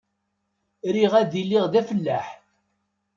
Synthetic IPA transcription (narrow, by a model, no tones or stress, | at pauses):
ɾiʁæðilːiʁðæfəlːæħ